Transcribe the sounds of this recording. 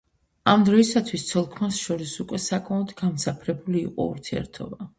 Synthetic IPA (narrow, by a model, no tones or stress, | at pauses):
amd̪ɾɔisat̪ʰwist̪sʰɔlˠkʰmasʃɔɾisukʼwɛsakʼmaɔd̪ɡamsapʰɾɛbulḭːqʼɔ̰ṵɾt̪ʰiɛ̰ɾt̪ʰɔ̰ba